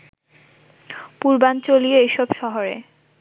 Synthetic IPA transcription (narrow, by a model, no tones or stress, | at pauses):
puɾbant͡ɕolieeʃɔbʃɔɦoɾḛ